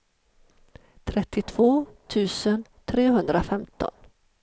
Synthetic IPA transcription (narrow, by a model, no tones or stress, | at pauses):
t̪ʰɾɛt̪ːɪt̪ʰv̥oːt̪ʰʉ̟ːsənt̪ʰɾeːɦɵnd̪ɾafɛmt̪ʰɔ̰n